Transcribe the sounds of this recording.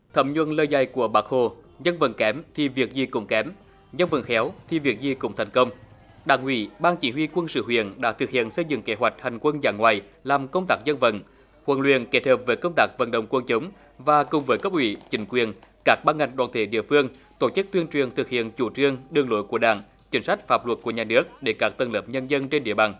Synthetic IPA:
t̪ʰə˨˦mɲwə˧nləː˧jza˧˩jku˧˩əɓaː˨˥k̚ho˧˩ɲə˧nvə̰˧˨˩nkɛ˨˦mt̪ʰi˨˩vi˨˩ək̚zi˨˩kʊ̰˧˥ŋ͡mkɛ˨˦m | ɲə˧nvə̰˧˩nxɛ˨˦wt̪ʰi˨˩vi˨˩ək̚zi˨˩kʊ̰˧˥ŋ͡mt̪ʰa˨˩jŋ̟kə˧wŋ͡m | ɗaː˧˩ŋhwḭ˧˩˦ɓaː˧nt͡ɕi˧˦ɦwi˧kwə˧nsɨ̰˧˨ɦwḭ˧˨ənɗa̰ː˧˥t̪ʰɨ˨˩k̚hḭ˧˨ənsə˧jzɨ̰˧˨ŋke˨˦ɦwa˨˩jk̟̚ha˨˩jŋ̟kwə˧nzaː˧˩ŋwaː˨˩j | laː˨˩mkə˧wŋ͡mt̪aː˦˥k̚zə˧nvə̰˧˨n | kwə˧˩nlwḭ˧˨ənke˦˥t̚həː˨˩p̚vəː˨˦jkə˧wŋ͡mt̪aː˦˥k̚və̰˧˩nɗə̰˧˨wŋ͡mkwə˧nt͡ɕə˨˦wŋ͡m | vaː˨˩kʊ˨˩ŋ͡mvəː˨˦jkə˦˥p̚ʔwḭ˧˨t͡ɕï˨˦ŋ̟kwi˨˩ənkaː˦˥k̚ɓaː˧nŋa˨˩jŋ̟ɗwaː˧˩nt̪ʰe˧˩ɗḭ˧˨əfɨ˧əŋ | t̪o˧˩t͡ɕɨ˦˥k̚t̪wi˧ənt͡ɕwi˨˩ənt̪ʰɨ˨˩k̚hḭ˧˨ənt͡ɕu˧˩t͡ɕɨ˧əŋɗɨ˧əŋlo̰˧˨˦jku˧˩əɗa̰ː˧˩ŋ | t͡ɕï˨˦ŋsa˦˥jk̚faː˦˥p̚lwə˨˩t̚ku˧˩əɲaː˨˩nɨ˦˥ək̚ɗe˧˩kaː˦˥k̚t̪ə˧˩nləː˨˦p̚ɲə˧nzə˧nt͡ɕe˧nɗḭ˧˨əɓa̰ː˨˩n

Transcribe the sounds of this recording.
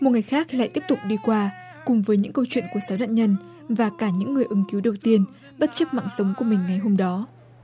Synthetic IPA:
mo˨˩t̚ŋɨ˨˩jxaː˦˥k̚la̰ː˧˨jt̪i˦˥əp̚t̪ʊ˨˩k͡p̚ɗi˧kwaː˧ | kʊ˨˩ŋ͡mvəː˨˦jɲɨ̰˧˥ŋkə˧wt͡ɕwḭ˧˨nku˧˩əsaː˨˦wɗa̰ː˧˨ɲə˧n | vaː˨˩kaː˧˩ɲɨ̰˧˥ŋːɨ˨˩əjʔɨ˨˦ŋ͡mki˨˦wɗə˨˩wt̪i˧ən | ɓə˦˥t̚t͡ɕə˦˥p̚ma̰ː˧˨ŋsə˨˦wŋ͡mku˧˩əmï˨˩ŋ̟ŋa˨˩jɦo˧mɗɔ˨˦

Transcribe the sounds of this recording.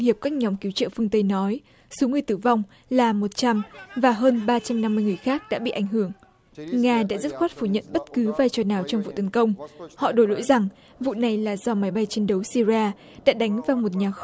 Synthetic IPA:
ŋhi˨˩əp̚kaː˦˥k̚ɲɔ˨˦ŋ͡mki˨˦wt͡ɕə̰˧˨fɨ˧əŋt̪ə˧jnɔ˨˦j | so˨˦ŋɨ˨˩əjt̪ɨ˧˩va˧wŋ͡m | laː˨˩mo˨˩t̚t͡ɕa˧mvaː˨˩ɦəː˧nɓaː˧t͡ɕa˧mna˧mːɨ˧əjŋɨ˨˩əjxaː˦˥k̚ɗa̰ː˧˥ɓḭ˧˨ʔa˧˩ŋ̟ɦɨ˧˩əŋ | ŋaː˧ɗa̰ː˧˥zə˦˥t̚xwaː˦˥t̚fu˧˩ɲə̰˧˨nɓə˦˥t̚kɨ˨˦vaː˧jt͡ɕɔ˨˩naː˨˩wt͡ɕɔ˧wŋ͡mvṵ˧˨t̪ə˨˦nkə˧wŋ͡mhɔ̰˧˨ɗo˧˩jlo̰˧˥jza˨˩ŋ | vṵ˧˨na˨˩jlaː˨˩zɔ˧ma˨˦jɓa˧jt͡ɕe˧nɗə˨˦wsi˧ziaː˧ | ɗa̰ː˧˥ɗa˨˦jŋ̟vaː˨˩wmo˨˩t̚ɲaː˨˩

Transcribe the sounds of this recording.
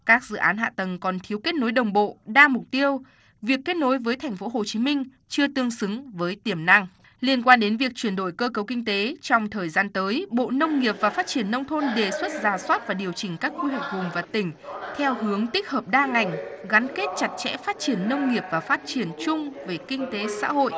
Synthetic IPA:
kaː˦˥k̚zɨ̰˧˨ʔaː˨˦nɦa̰ː˧˨t̪ə˨˩ŋkɔ˨˩nt̪ʰi˨˦wke˦˥t̚no˨˦jɗə˨˩wŋ͡mɓo̰˧˨ɗaː˧mʊ˨˩k͡p̚t̪i˧əw | vi˨˩əkːe˦˥t̚no˨˦jvəː˨˦jt̪ʰa˨˩jŋ̟fo˨˦ɦo˨˩t͡ɕi˨˦mï˧ŋ̟ | t͡ɕɨ˧ət̪ɨ˧əŋsɨ˨˦ŋvəː˨˦jt̪i˧˩əmna˧ŋ | li˧ənkwaː˧nɗe˨˦nvi˨˩ək̚t͡ɕwi˧˩ənɗo̰˧˨jkəː˧kə˨˦wkï˧ŋ̟t̪e˨˦t͡ɕɔ˧wŋ͡mt̪ʰəː˨˩jzaː˧nt̪əː˨˦jɓo̰˧˨nə˧wŋ͡mŋi˨˩əp̚vaː˨˩faː˦˥t̚t͡ɕi˧˩ənːə˧wŋ͡mt̪ʰo˧nɗe˨˩swə˦˥t̚zaː˨˩swaː˦˥t̚vaː˨˩ɗi˨˩əwt͡ɕï˨˩ŋ̟kaː˦˥k̚xwi˧hwɛ˨˩k̚vʊ˨˩ŋ͡mvaː˨˩t̪ï˨˩ŋ̟t̪ʰɛ˧whɨ˨˦əŋt̪ï˦˥k̚həː˨˩p̚ɗaː˧ŋa˨˩jŋ̟ɣa˨˦nke˦˥t̚t͡ɕa˨˩t̚t͡ɕɛ̰˧˥faː˦˥t̚t͡ɕi˧˩ənːə˧wŋ͡mŋi˨˩əp̚vaː˨˩faː˦˥t̚t͡ɕi˧˩ənt͡ɕʊ˧ŋ͡mve˨˩kï˧ŋ̟t̪e˨˦sa̰ː˧˥ɦo̰˧˨ʔ

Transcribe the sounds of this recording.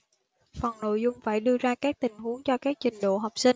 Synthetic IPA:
fə˨˩ŋno̰˧˨jzʊ˧ŋ͡mfaː˧˩jɗɨ˧əzaː˧kaː˦˥k̚t̪ï˨˩ŋ̟ɦu˨˦əŋt͡ɕɔ˧kaː˦˥k̚t͡ɕï˨˩ŋ̟ɗo̰˧˨ɦa˨˩wk͡p̚si˧ŋ

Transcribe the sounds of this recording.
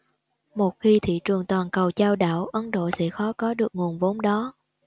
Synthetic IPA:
mo˨˩t̚xi˧t̪ʰḭ˧˨t͡ɕɨ˨˩əŋt̪waː˨˩nkə˨˩wt͡ɕaː˧wɗa̰ː˧˩wʔə˨˦nɗo̰˧˨sɛ̰˧˥xɔ˨˦kɔ˨˦ɗɨ˨˩ək̚ŋu˨˩ənvo˨˦nɗɔ˨˦

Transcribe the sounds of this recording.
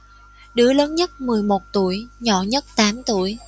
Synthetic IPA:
ɗɨ̰˧˥ələː˨˦nɲə˦˥t̚mɨ˨˩əjmo˨˩t̚t̪ṵ˧˨əjɲɔ̰˧˨ɲə˦˥t̚t̪aː˨˦mt̪ṵ˧˨əj

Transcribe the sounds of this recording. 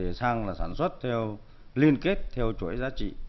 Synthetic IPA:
e˨˩saː˧ŋlaː˨˩saː˧˩nswə˦˥t̚t̪ʰɛ˧w | li˧ənke˦˥t̚t̪ʰɛ˧wt͡ɕu˧˩əjzaː˨˦t͡ɕḭ˧˨

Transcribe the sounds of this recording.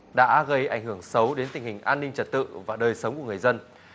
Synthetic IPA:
ɗa̰ː˧˥ɣə˧jʔa˧˩jŋ̟hɨ˧˩əŋsə˨˦wɗe˨˦nt̪ï˨˩ŋ̟hï˨˩ŋ̟ʔaː˧nːi˧ŋ̟t͡ɕə˨˧˩t̚t̪ɨ̰˧˨vaː˨˩ɗəː˨˩jsə˨˦wŋ͡mku˧˩ŋɨ˨˩ə˩zə˧n

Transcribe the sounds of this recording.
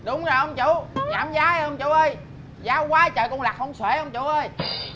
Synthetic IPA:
ɗʊ˨˦wŋ͡mzo˨˩jʔə˧wŋ͡mt͡ɕʊ˧˦ɲaː˨˩˦mzaː˨˦˧ʔə˧wŋ͡mt͡ɕʊ˧˩˦ʔəː˧j | zaː˨˦wkwaː˨˦t͡ɕəː˨˩kʊ˧ŋ͡mlaː˨˩k̚hwŋ͡mswe˧˩ʔə˧wŋ͡mt͡ɕʊ˧˨˦ʔəː˧j

